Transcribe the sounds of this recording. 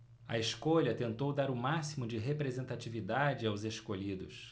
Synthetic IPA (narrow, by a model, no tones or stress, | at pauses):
ɐeʃkoʎɐt̪ẽnt̪owd̪aɾʊmasimʊd͡ʒɪɦepɾezẽnt̪at͡ʃivid̪ad͡ʒɪawzeʃkoʎid̪ʊ̰s